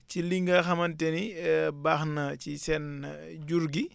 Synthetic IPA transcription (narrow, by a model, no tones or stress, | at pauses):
ciliŋɡɐxɐmɐntɛnibaxnɐt͡ʃisɛn | ɟuɾɡi